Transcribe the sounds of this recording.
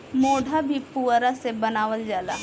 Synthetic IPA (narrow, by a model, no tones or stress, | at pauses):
moːɖʱabʱipuːɾasebɐnaːʋəld͡ʒaːla̰ː